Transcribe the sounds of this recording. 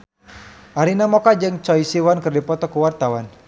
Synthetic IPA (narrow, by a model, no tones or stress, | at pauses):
ʔaɾinamɔkad͡ʒɨŋt͡ʃɔisiwankɨrdipɔt̪ɔkuwart̪awan